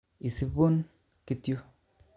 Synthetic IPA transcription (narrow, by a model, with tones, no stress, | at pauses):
i˨si˦bo˦n | ki˦tjo˦